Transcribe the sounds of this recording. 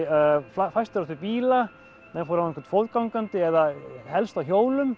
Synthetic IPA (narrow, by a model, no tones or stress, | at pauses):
fafajst̪ɪɾaθɪɾpiːla | nɛfowɾankvɛɾt̪fowðkawŋkant̪ɪɛðahɛlst̪awçoːwlʏm